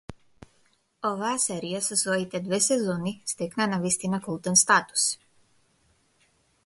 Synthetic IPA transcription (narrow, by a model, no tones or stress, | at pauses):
ɔvaasɛɾijasɔsvɔit̪ɛd̪vɛsɛzɔnist̪ɛknanavist̪inakulˠt̪ɛnst̪at̪u̥s